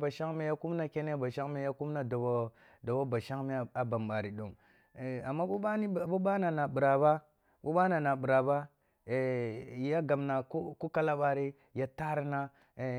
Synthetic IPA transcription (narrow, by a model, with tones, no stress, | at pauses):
ba˨ʃa˦ŋme˦ja˦ku˦m˦na˦ke˦ne˦ba˨ʃa˦ŋme˦ja˦ku˦mna˦da˨bo˦ | do˨bo˦ba˨ʃa˦ŋme˦˨a˨ba˨mɓa˨ɾi˨ɗo˨ŋ˨ | a˨mːa˦ku˦ba˦ni˦˨bu˦ɓa˦na˨na˨bi˨ɾa˨ba˦ | ku˦ɓa˦na˨na˨bu˨ɾa˨ba˦ | e˨ja˦ɡa˨mna˨ku˦ku˦ka˦la˦ɓa˨ɾi˦ | ja˨˦ta˦ɾi˦na˦˨